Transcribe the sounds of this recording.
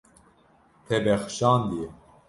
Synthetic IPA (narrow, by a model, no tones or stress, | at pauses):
t̪ʰɛbɛxʃɑːnd̪ije